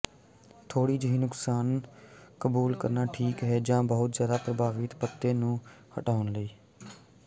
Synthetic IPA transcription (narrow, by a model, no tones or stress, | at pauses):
t̪ʰoːɽiːd͡ʒəɦiːnʊksaːnkəbuːlkəɾnaːʈʰiːkɦɛːd͡ʒãːbəɦʊt̪zjaːd̪aːpɾəbaːʋɪt̪pət̪ːeːnũː | hə̰ʈaːʊnləiː